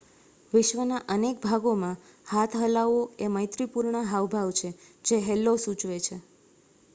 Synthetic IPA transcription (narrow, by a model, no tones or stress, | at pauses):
ʋɪʃʋənaʔənek̚bʱaɡomãhat̪ʰɦəlaʋoeməjt̪ɾipuɾɳaɦaʋbʱaʋt͡ʃʰed͡ʒeɦɛlːosut͡ʃʋet͡ʃʰe